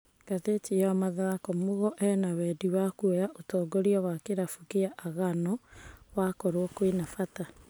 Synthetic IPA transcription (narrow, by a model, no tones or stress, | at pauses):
katetiawamaðaakɔmoɣɔʔɛnawɛdiwakuɛjaʔotɔːɡoɾiɔwakeɾafukiaʔːɣanɔwakɔɾwɔkwinafata